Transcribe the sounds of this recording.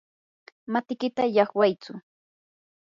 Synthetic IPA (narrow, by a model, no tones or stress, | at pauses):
mat̪ɪkɪt̪ajɑχwajt͡sʊ